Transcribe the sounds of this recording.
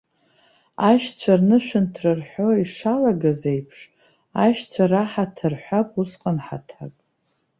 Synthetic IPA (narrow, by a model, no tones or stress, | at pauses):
aʃt͡sʷʰarnɨʃʷᶣʊntʰrɨrħʷᶣo̞iʂalaɡazejpʰʂ | aʃt͡sʷʰaraħatʰɨrħʷapʼusqʼanħa̰tʰakʼ